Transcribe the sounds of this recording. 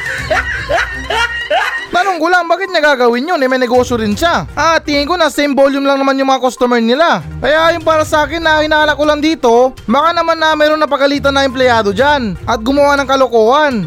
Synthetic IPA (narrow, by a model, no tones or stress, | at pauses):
t̪ɐnoŋkʊlaŋbaːkɪt̪̚nɐɡaɡɐwɪnɲonɐjmɛnɛɡo̞ːsjoɾɪnʃaʔat̪iŋɪŋkonɐsɛjmboljʊmlɐŋɐmanjʊ̃ŋmɐŋakost̪omɛɹnɪla | kɐjaʔɐjʊnpaːɾɐsɐʔaːkɪnːɐhɪnaːhɐnɐkːʊland̪iːt̪o̞bɐkanɐmanːɐmɛːɾonnɐpɐɡɐliːt̪̬ɐnːɐɛmplɛjaːd̪o̞d͡ʒanʔɐt̪̚ɡʊmɐwanɐŋkɐloko̞ːʔɐn